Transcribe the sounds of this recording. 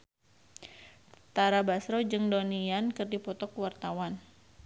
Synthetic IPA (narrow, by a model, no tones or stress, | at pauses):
t̪aɾabasɾɔd͡ʒɨŋdonijankɨrdipɔt̪ɔkwart̪awan